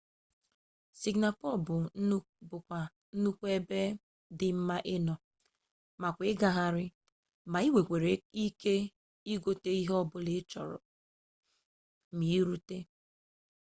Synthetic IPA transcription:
si˨ɡna˨pɔ˦˨bʊ˨˦ | bʊ˨kʷa˨ | n̩˦nu˦kʷe˦be˦ | dɪ˨m̩˦ma˦ʔɪ˦nɔ˨ | ma˨kʷɪ˦ɡa˨ɦa˨ɾɪ˦ | ma˨i˦we˨kʷe˨ɾe˨˦i˦ke˦ | i˦ɡo˦te˦i˦ɦɔ˦bʊ˦lɪ˦t͡ʃɔ˨ɾɔ̰˨ | mi˨˦ɾu˦te˦

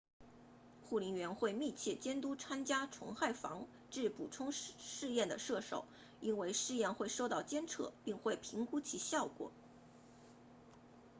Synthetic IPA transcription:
xu˥˩li˧˥nɥɛ˧˥nxwe˥˧ɪmi˥˧t͡ɕʰjɛ˥˩t͡ɕjɛ˥nt̪u˥t͡sʰa˥nt͡ɕja˥ʈ͡ʂʰʊ̰˧˥ŋxa˥˩ɪfɑ̰˧˥ŋ | ʈ͡ʂɻ̩˥˩pu˨˩ʈ͡ʂʰʊ˥ŋʂɻ̩˥˧jɛ˥˩nd̪ə˩ʂɤ˥˩ʂo̰˨˩˦ʊ | i˥nwe˥˧ɪʂɻ̩˥˧jɛ˥˧nxwe˥˧ɪʂo˥˧ʊt̪ɑ˥˩ʊt͡ɕjɛ˥nt͡sʰɤ̰˥˧pi˥˧ŋxwe˥˩ɪpʰi˧˥ŋku˥t͡ɕʰi˧˥ɕjɑ˥˩ʊkwɔ̰˨˩˦

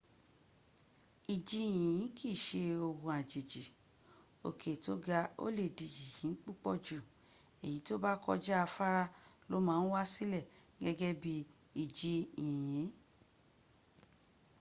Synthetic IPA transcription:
i˨d͡ʒi˧˦ĩ˨ĩ˨˦kʰi˦˨ʃe˧o˧hũ˧a˨d͡ʒi˨d͡ʒi˨ | o̰˨kʰe˨to˦ɡa˧o̰˦le˦˨di˨d͡ʒi˨jĩ˨˦k͡pu˦k͡pɔ˦˨d͡ʒu˨ | e˨ji˨˦to˦ba˦kɔ̰˧d͡ʒa˦a˧fa˦ɾa˦lo˨˦mãː˦wa˦si˦lɛ˦˨ | ɡɛ˦ɡɛ˦bi˧˦ | i˨d͡ʒi˧ĩ˨jĩ˨˦

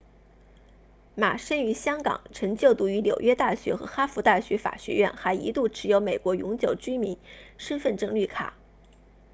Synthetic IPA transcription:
ma˨˩ʂə˥ny˧˥ɕjɑ˥ŋkɑ̰˨˩˦ŋʈ͡ʂʰɤ˧˥ŋt͡ɕjo˥˩ʊt̪u˧˥y˧˥ljo˨˩ʊɥɛ˥t̪a˥˩ɕɥɛ˧˥xɤ̰˧˥xa˥fu˧˥t̪a˥˩ɕɥɛ˧˥fa̰˨˩ɕɥɛ̰˧˥ɥɛ̰˥˩nxa˧˥ɪḭ˧˥t̪u˥˩ʈ͡ʂʰɻ̩˧˥jo˧˥ʊme˨˩ɪkwɔ˧˥jʊ̰˧˥ŋt͡ɕjo˨˩ʊt͡ɕy˥mi˧˥nʂə˥nfə˥˧nʈ͡ʂɤ˥˧ŋly˥˩kʰa̰˨˩˦

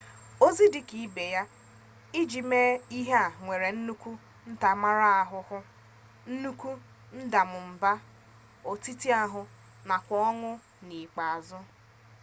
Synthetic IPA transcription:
o˦zi˦di˦ki˨be˨ja˦ | i˦d͡ʒi˨me˦i˦ɦe˦a˨ŋʷe˨ɾe˨n̩˦nu˦kʷu˦ | n̩˦ta˨ma˦ɾa˦a˨ɦʊ˨hʊ˦ | n̩˦nu˦kʷu˦ | n̩˦da˨mʊ˨m̩˨ba˦ | o˨ti˦ti˦a˦ɦʊ˨ | na˨kʷɔ˦ɔ˦ŋʊ˦ | ni˨k͡pa˨a˨zʊ˦

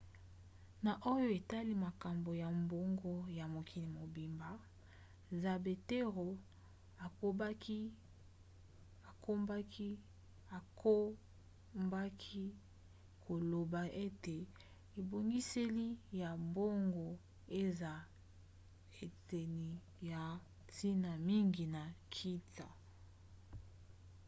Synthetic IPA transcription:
na˨ʔo˦jo˦e˨ta˦li˦ma˨ka˨mbo˨ja˨mbo˦ŋɡo˦ja˨mo˨kʰi˨ni˨mo˨bi˨mba˨ | za˨be˨te˦ʁo˨ | a˨ko˦bki˦ | a˨ko˦mba˦ki˦ | a˨ko˦ | mba˦kʰi˦ | kʰo˨lo˨ba˨ʔe˦te˨ | e˨bo˨ŋɡi˦se˦li˦ja˨bo˦ŋɡo˨ | e˦za˨ | e˨te˨ni˨ | ja˨ | tʰi˦na˨mi˦ŋɡi˨na˨kʰi˦ta˨

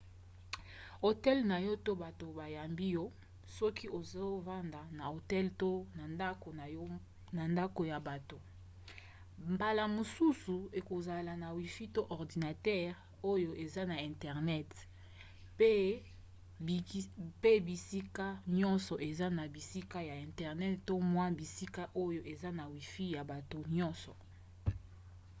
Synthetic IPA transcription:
o˨tɛ˦lna˨jo˦to˦ba˨to˨ba˨ja˨mbi˦jɔ˦ | sɔ˦ki˦ʔo˨zo˦va˦nda˨na˨o˨tɛ˦lto˦na˨a˦ko˨˦ | na˨nda˦ko˨ja˨ba˨to˨ | mba˨la˨mo˨su˦su˨e˨ko˨za˨la˨na˨wi˨fi˦to˦ʔɔ˨ʁdi˨na˨tɛ˦ʁ | o˦jo˦ʔe˨za˦na˨ɛ̃˨ntɛ˨ʁnɛ˦t | pe˦˨ | pe˦bi˨si˦ka˦ɲɔ̃˦nsɔ˨ʔe˨za˦na˨bi˨si˦ka˦ja˨ɛ̃˨ntɛ˨ʁnɛ˦tto˦mwa˦bi˨si˦ka˦ʔo˦jo˦ʔe˨za˦na˨wi˨fi˦ja˨ba˨to˨ɲɔ̃˦nsɔ˨

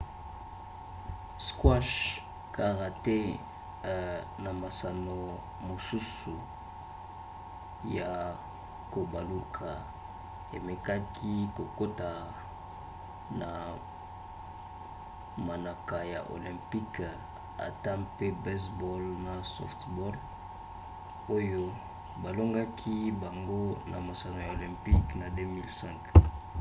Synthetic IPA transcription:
skwa˦ʃ | ka˨ʁa˨te˦ | na˨ma˨sa˨no˨ | mo˨su˦su˨ | ja˨ | ko˨ba˨lu˦kʰa˨ | ḛ˨me˨ka˦kʰi˦ko˨ko˦ta˨ | na˨ | ma˨na˨ka˨ja̰˨ʔo̰˨lɛ̃˨mpi˦k | a̰˨ta˦pe˦bɛ˦sbɔ˦lna˨sɔ̰˦ftbɔ˦l | o˦jo˦ | ba˨lo˦ŋɡa˦kʰi˦ba˨ŋɡo˦na̰˨ma˨sa˨no˨ja˨o˨lɛ̃˨mpi˦kna˨de˦mi˦lsɛ̃˦ŋk

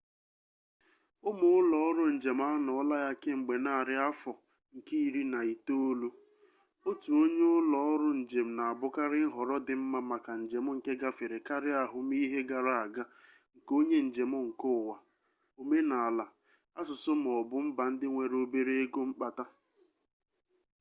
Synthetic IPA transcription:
ʊ˦mʊ˦ʊ˦lɔ˨ɔ˦ɾʊ˦n̩˨d͡ʒe˨m̩˦a˦nɔ˨ɔ˦la˦ja˦kɪ˦ŋ͡m̩˨ɡ͡be˨na˦˨ɾɪ˦a˦fɔ˨ | ŋ̩˨ki˦i˦˨ɾi˦na˨i˨to˦o˦lu˦ | o˦tu˨o˦ɲe˦ʊ˦lɔ˨˦ɔ˦ɾʊ˦n̩˨d͡ʒe˨m̩˨na˨a˨bʊ˦ka˦ɾɪ˦n̩˦ɦɔ˨ɾɔ˦dɪ˨m̩˦ma˦ma˨ka˨n̩˨d͡ʒe˨m̩˦ŋ̩˨ke˦ɡa˦fe˨ɾe˨ka˦ɾɪ˦a˨ɦʊ˨m˦i˦ɦe˦ɡa˨ɾa˨a˨ɡa˦ | ŋ̩˨ko˦ɲe˦n̩˨d͡ʒe˨mʊ˦ŋ̩˨kʊ˦˨wa˨ | o˨me˦na˨a˨la˨ | a˦s̬ʊ˨sʊ˦m̩˨ɔ˨bʊ˦m̩˦ba˨n̩˦dɪ˦ŋʷe˨ɾo˦be˦ɾe˦e˦ɡo˦ŋ͡m̩˦k͡pa˨ta˦

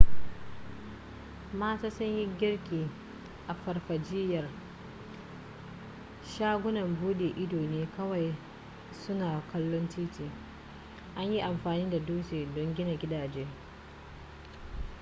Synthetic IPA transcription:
maː˦taː˦sʊ˦ɲjɪ˦ɡʲɪ˦rkʲiː˨ | ʔa˨ɸɐ˨rɸɐ˨d͡ʒɪ˦jɐ˨r | ʃaː˦ɡʷʊ˦nɐ˨mbuː˦ɗeː˨ʔɪ˦doː˨neː˦kɐ˦wa˨j | sʊ˦naː˨kʰɐ˦lːɔ˦ntiː˦tiː˨ | ʔa˦ɲji˦ʔa˨mɸaː˨niː˦da˨duː˦t͡ʃeː˨dɔ˦ŋɡʲɪ˦na˨ɡʲɪ˦daː˨d͡ʒeː˦

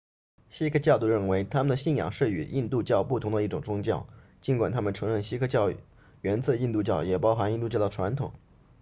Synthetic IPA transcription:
ɕi˥kʰɤ˥t͡ɕjɑ˥˧ʊt̪u˥˧ɻə˥˩nwe˧˥ɪt̪ʰa˥mə˨nd̪ə˩ɕi˥˩njɑ̰˨˩ŋʂɻ̩˥˩y̰˨˩i˥˧nt̪u˥˧t͡ɕjɑ˥˧ʊpu˥˩t̪ʰʊ˧˥ŋd̪ə˧i˥˩ʈ͡ʂʊ˨˩ŋʈ͡ʂʊ˥ŋt͡ɕjɑ˥˩ʊt͡ɕi˧˥nkwa˨˩nt̪ʰa˥mə˨nʈ͡ʂʰɤ˧˥ŋɻə˥˩nɕi˥kʰɤ˥t͡ɕjɑ˥˩ʊ | ɥɛ˧˥nt͡sʰɤ˥˧i˥˧nt̪u˥˧t͡ɕjɑ˥˩ʊjɛ˨˩pɑ˥ʊxa˧˥ni˥˧nt̪u˥˧t͡ɕjɑ˥˩d̪ə˩ʈ͡ʂʰwa˧˥nt̪ʰʊ̰˨˩˦ŋ

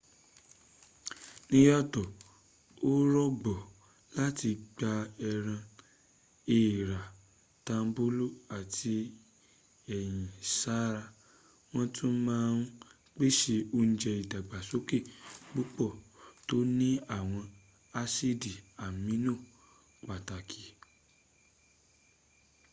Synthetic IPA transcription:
nĩ˦jɔ˦˨tɔ˨ | o˦ɾɔ˦ɡ͡bɔ˨ | la˦ti˧ɡ͡ba˧ɛ˧ɾ̃ã˧ | e˦˨i˨ɾa˨ | tã˧m˦bo˦lu˦˨a˨tʰi˧ | ɛ˨j̃ĩ˨sa˦ɾa˧ | w̃ɔ̃˦tʰũ˦mãː˦˧n˦ | k͡pe˦ʃe˧o˦n̩˦d͡ʒɛ˧i˨da˨ɡ͡ba˨so˨˦ke˦˨k͡pu˦k͡pɔ˦˨to˦nĩ˦a˦˨w̃ɔ̃˧ | a˧si˦di˨a˨mĩ˨˦nũ˦˨ | k͡pa˨ta˨kʰi˨

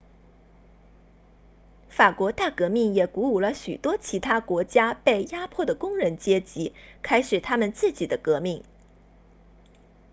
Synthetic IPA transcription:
fa˨˩kwɔ˧˥t̪a˥˩kɤ˧˥mi˥˩ŋjɛ˨˩ku˧˥u˨˩lə˧ɕy̰˨˩t̪wɔ˥t͡ɕʰi˧˥t̪ʰa˥kwɔ˧˥t͡ɕja˥pe˥˩ɪja˥pʰwɔ˥˩d̪ə˩kʊ˥ŋɻə˧˥nt͡ɕjɛ˥t͡ɕi˧˥kʰa˥ɪʂɻ̩˨˩t̪ʰa˥mə˨nt͡sɹ̩˥˩t͡ɕi˨˩d̪ə˦kɤ˧˥mi˥˩ŋ

